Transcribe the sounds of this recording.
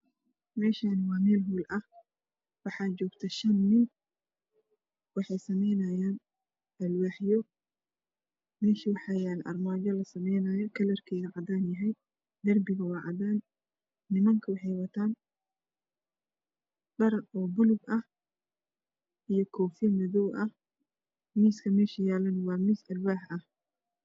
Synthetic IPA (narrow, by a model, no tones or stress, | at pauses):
mɛːʃaːnɪwɑːmɛːlɦuːlʔɐh | wɑħɑːd͡ʒɔːɡt̪ʰɐʃɐnːɪn | wɑħɑjsɐmɛjnɐjaːn | ɐlwɑħjɔ | mɛːʃiwɑħɑːjaːnʔɐ̰rmaːd͡ʒɔlɐsɐmɛjnɐːjɔkʰɐlɐrkʰɛːɣɐʕɑdaːnjɐɦɛj | ɡɐrbɪɣɐwɑːʕɑ̰ðaːnː | ɪmɐŋkʰɐwɑħɑjwɐt̪ʰaːn | ɖɐɾɔːbʊlʊɡɐh | ʔijɔkʰɔːfjɐmɐðɔwʔɐh | miːskʰɐmɛːʃɐjaːlɐnwɑːmiːsɐlwaːħʔɐh